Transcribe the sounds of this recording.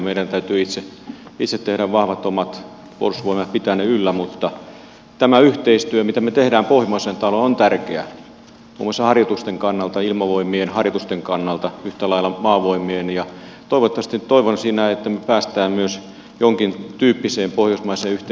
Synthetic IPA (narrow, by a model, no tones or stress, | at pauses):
meiɾænt̪æyt̪yːit̪seit̪set̪ːehɾæʋʋɑhʋɑt̪omɑt̪ | kuolusʋoimɑt̪pit̪æneylːæmut̪ːɑ | t̪æmæyht̪eist̪yømit̪æmet̪ehdæːmpohjmɑisent̪ɑlonont̪ærkeæ̰ | mṵomːˑosːɑhɑrjot̪ust̪eŋkɑnːɑlt̪ɑilmɑʋoimienhɑrjot̪ust̪eŋkɑnːɑlt̪ɑyht̪ælɑilːˑɑmɑːʋoimiːnijɑ | t̪oiʋot̪ːɑʋɑst̪it̪toiʋonsiːnæet̪ːæmepæːst̪æːmmyøs | joŋkint̪yːpːiseːmpohjosmɑiseːyht̪e